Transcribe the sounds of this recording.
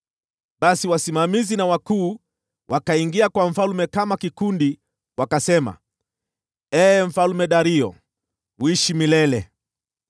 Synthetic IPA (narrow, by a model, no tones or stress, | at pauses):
ɓasiwasimamizinawakuː | wʔakaiŋɡiakwaɱ̩falmɛkamakikundi | wakasɛma̰ | ɛːɱ̩falumɛɗaɾiɔ̰ | wiʃimilɛlɛ